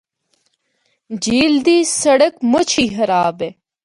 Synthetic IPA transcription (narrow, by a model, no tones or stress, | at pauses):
d͡ʑiːld̪iːsɐɽəkmot͡ɕʰiːɦɐɾaːbe